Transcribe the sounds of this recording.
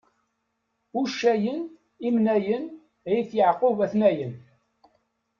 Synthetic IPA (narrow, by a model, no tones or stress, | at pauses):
uʃːæjən | imnæjən | æjθjəʕqovæθnæjən